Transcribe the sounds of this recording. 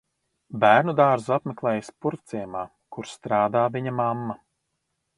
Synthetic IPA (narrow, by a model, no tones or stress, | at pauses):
bæːɾnud̪aːɾzuapmɛklˠɛːjaspuɾkt̪sijɛmaː | kuɾst̪ɾaːd̪aːviɲamamːa